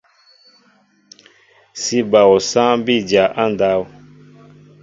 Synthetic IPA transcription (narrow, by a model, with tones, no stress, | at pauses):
si˦ba˨wɔ˨sã˦bi˦˨d͡ʒa˨ʔã˦n˨da˦wu˨